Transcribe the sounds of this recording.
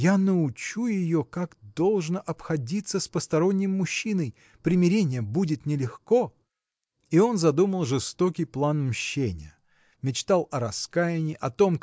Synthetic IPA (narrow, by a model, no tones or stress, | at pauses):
janəʊt͡ɕujɪjokakd̪o̞lˠʐnəʔɐpxɐdʲit̪səspəst̪ɐɾo̞nʲːɪmmʊɕːinəj | pɾʲɪmʲɪɾʲenʲɪjəbudʲɪt̪nʲɪlʲɪxko̞ | io̞nzɐd̪uməlˠʐɨst̪o̞kʲɪjplˠanmɕːenʲɪ̰jə | mʲɪt͡ɕt̪alˠɐɾɐskajɪnʲɪʔɐt̪o̞m